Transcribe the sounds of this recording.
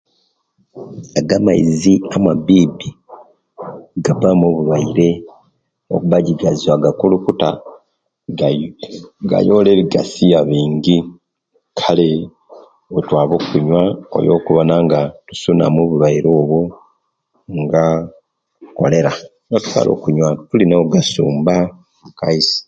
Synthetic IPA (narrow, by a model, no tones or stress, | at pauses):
aɡamaḭziamabiːbi | ɡabamoβuβaiɾe̞ | o̰kuβaɟiɡazaɡakulukuta | ɡa̰jo̞leβiɡasijaβiːɲɡi | kʰale̞ | otwaːβo̞kuɲwao̰jo̞ːkuβonaŋɡatu̥suna̰moːβuβaiɾo̞ːβwo | ŋɡa | ko̞̰le̞ɾa | ŋotu̥twa̰ːlʔo̞̰ːkuɲwatulinaoɡasuːmba | muka̰isi̥